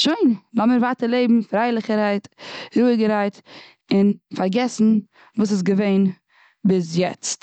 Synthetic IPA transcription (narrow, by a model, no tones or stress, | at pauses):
ʃoɪnlɔməɾvaːtəɾlˠeɪbm̩fɾaɪlˠɪχəɾaɪtɾuːɡəɾaɪt | ɪnfaɾɡɛsn̩ | vuːs̬ɪs̬ɡəveɪn | bɪsjɛt͡st